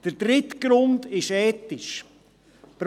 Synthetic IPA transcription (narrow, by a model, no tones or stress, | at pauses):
d̥əɾd̥ɾɪtɡ̥ɾʊndɪʃɛːtɪʃ | pɾ